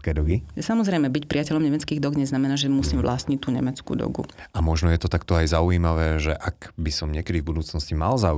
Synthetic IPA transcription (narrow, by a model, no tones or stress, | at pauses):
kɛd̪ɔɡisamɔzɾɛjmɛbicpɾiacɛʎɔmɲɛmɛt͡skiːɣd̪ɔɡɲɛznamɛnaːʒɛmusiːmʋlast̪ɲict̪uːɲɛ̰mɛt͡skṵd̪ɔ̰ɡṵʔamɔʒnɔjɛt̪ɔt̪akt̪ɔajzauiːmaʋɛːʒɛʔakbisɔmɲɪɛkɛd̪ivbud̪uːt͡snɔscimalza